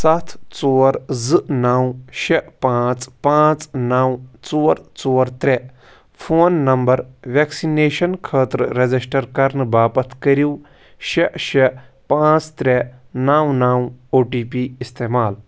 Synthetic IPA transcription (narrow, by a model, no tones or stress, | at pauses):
sɐt̪ʰt͡soːɾzɨnaːwʃɛʔpãːt͡spãːt͡snaːwt͡soːɾt͡soːɾt̪ɾe | pʰoːnːɐmbɐɾʋɛːksineːʃɐnkʰəːt̪ɾɾed͡zisʈɐɾkɐɾnbaːpɐt̪ʰkɐɾjuː | ʃeʔʃepãːt͡st̪ɾenaːwnaːwoːʈiːpiːɪst̪eːmaːl